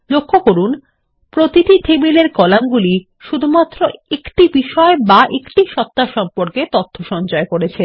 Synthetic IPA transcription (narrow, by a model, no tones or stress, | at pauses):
lokʰːokoɾun | pɾot̪iʈiʈʰebileɾkɔlamɡuli | ʃud̪ʱumat̪ːɾoekʈibiʃɔebaʔekʈiʃɔt̪ːaʃɔmpoɾket̪ot̪ʰːoʃɔnd͡ʑɔekoɾet͡ɕʰe